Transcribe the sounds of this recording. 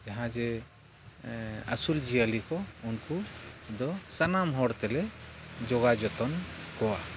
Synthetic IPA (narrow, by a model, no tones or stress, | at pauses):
d͡ʒaɦãd͡ʒɛ | əsuld͡ʒijəlikɔunkud̪ɔsanamɦɔɽt̪ɛlɛd͡ʒɔɡad͡ʒɔt̪ɔnkɔwa̰